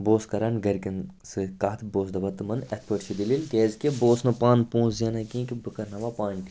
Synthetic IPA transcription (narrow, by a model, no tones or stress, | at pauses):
boːskɐɾanɡɐɾʲkʲɐn | sɨkaːt̪ʰboːs̬d̪ɐʋɐt̪ɨmɐnɐt̪̚ʰpəʈt͡ʃʰid̪ililkʲeːzʲkʲeboːsnɐpaːnpõːszʲaːnakʲẽːkʲibɨkɐɾnɐʋaːpaːnʲkʲ